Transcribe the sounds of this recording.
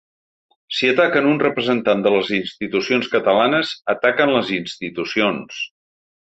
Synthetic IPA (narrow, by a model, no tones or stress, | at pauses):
siət̪akənunrəpɾəzənt̪and̪ələzinst̪it̪usionskət̪əlanəzət̪akənləzinst̪it̪usions